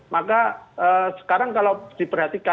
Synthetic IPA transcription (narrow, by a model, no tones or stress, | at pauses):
makaəsə̥kaɾaŋkalawd̪̥ipərɦat̪ika